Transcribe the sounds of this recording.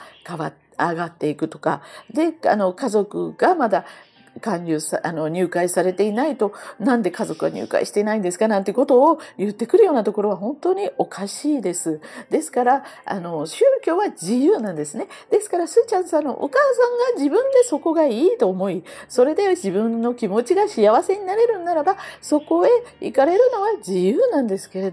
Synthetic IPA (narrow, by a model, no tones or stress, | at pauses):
kaβa | aɡat̪ːe̞ikɯ̟t̪o̞̥ka̰d̪e̞a̰no̞kazo̞kɯ̟ɡ̥amad̪a | kãɲʲɨːsano̞ɲ̟ʲɨːkaisaɾe̞t̪e̞inait̪o̞nãnd̪e̞kazo̞kɯ̟βa̰ɲ̟ʲɨ̰ːka̰ḭɕi̥t̪e̞naĩnd̪e̞sɨ̥kanãnt̪eko̞t̪o̞ːjɯ̟t̪ːe̞kɯ̟ɾɯ̟joːnat̪o̞ko̞ɾo̞β̞aɦõ̞nt̪o̞ːɲ̟iʔo̞kʰaɕiːd̪e̞sɨd̪e̞sɨ̥kaɾaa̰no̞ɕɨːkʲo̞ːβad͡ʑijɯːnãnd̪e̞sɨne̞d̪̥e̞sɨ̥kaɾasɨːt͡ɕãɰ̃sãnːo̞̰ʔo̰kaːsãŋɡaʑibɯ̟̃nd̪e̞so̞ko̞ɡaiːt̪o̞ːmo̞iso̞ɾe̞d̪e̞d͡ʑibɯ̟̃nːo̞kʲimo̞t͡ɕiɡaɕijaβase̞ɲ̟inaɾe̞ɾɯ̟̃nːaɾabaso̞ko̞e̞ḭkaɾe̞ɾɯ̟no̞βad͡ʑijɯ̟ːnãnd̪esɨ̥ke̞ɾed̪